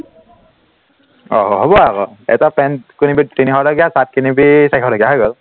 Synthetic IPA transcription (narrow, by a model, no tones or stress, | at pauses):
ɔ̰ɦɔɦɔbɔakɔ̰ɛ̰tapɛntkunibitiniɦɔlɔɡijasat̚kinibisajkʰɔlaɡijaɦɔjɡɔl